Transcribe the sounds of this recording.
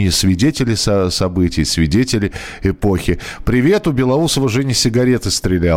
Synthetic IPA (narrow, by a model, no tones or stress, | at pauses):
ɪsvʲɪdʲetʲɪlʲɪsɐsɐbɨtʲɪjsvʲɪdʲetʲɪlʲɪ | ɪpo̞xʲɪpɾʲɪvʲe̞t̪ʊbʲɪlˠɐusəvəʐɨnʲɪsʲɪɡɐɾʲe̞t̪ɨst̪ɾʲɪlʲal